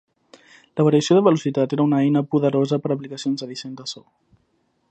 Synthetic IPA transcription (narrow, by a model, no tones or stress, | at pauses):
ləβəɾiəsijoðəβəlusit̪at̪eɾəunəɛjnəpuðəɾozəpəɾəplikəsionzəðisend̪əsɔ